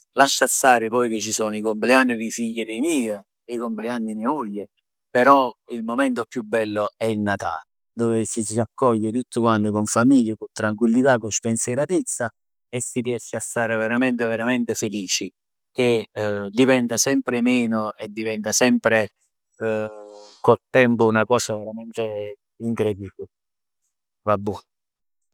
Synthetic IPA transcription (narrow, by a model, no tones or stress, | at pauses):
laʃːast̪aːɾɪpɔjk̟et͡ʃːisɔːnoikomplɪanːid̪ifiʎːed̪ejmiːe | eikompleanːinimoʎːe | peɾɔilmomɛnt̪opːjubːɛlːoɛilnat̪a̰ːle | d̪ɔːvesisiakːɔʎːet̪ut̪ːʊkwant̪okoɱfamiʎːakont̪ɾaŋkwilːit̪akːospenseɾat̪et̪sːa | esːiriɛʃːeast̪aːɾeveɾamɛnt̪eveɾamɛnt̪efeliːt͡ʃi | k̟ed̪ivɛnt̪asɛmpɾemɛːnoed̪ːivɛnt̪asɛmpɾe | kolt̪ɛmpʊunakɔːsaveɾamɛnt̪e | iŋkɾed̪ibi | vabːu